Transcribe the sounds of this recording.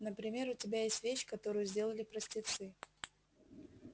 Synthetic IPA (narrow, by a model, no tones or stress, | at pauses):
nəpɾʲɪmʲe̞ɾʊtʲɪbʲajesʲtʲvʲeɕːkɐt̪o̞ɾʊjʊzʲdʲe̞lˠəlʲɪpɾəsʲtʲɪt̪sɨ